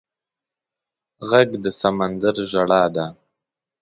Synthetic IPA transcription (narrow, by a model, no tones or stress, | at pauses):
ɣaɡd̪əsamand̪aɾʒaɽɑːd̪a